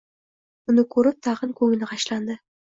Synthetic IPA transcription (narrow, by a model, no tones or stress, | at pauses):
ʊnɪkʰɵɾɪp̚t̪ʰɑʁɨnkʰɵŋɪnɪqʰɑʃland̪ɪ